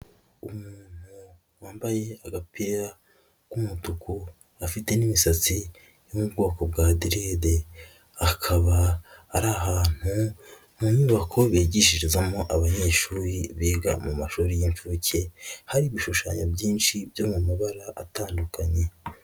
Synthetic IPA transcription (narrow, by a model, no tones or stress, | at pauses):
umuːn̥hu | waːmbaje̞aɡapʰeɾa | kumutukʰu | afite̞nimisat͡si | jumubɡo̞ːkob̚ɡaːdiɾede | akʰaβaːɾaɦaːn̥hu | mumiːβakʰo̞βeːɟiʃiɾizamoʔaβaɲe̞ːʃuːɾiβeːɡa̰mumaʃuːɾijiɱfuːcʰe̞haɾiβiʃuʃaːɲobɟiːnʃibjomumaβaɾaʔataːndukʰaɲe̞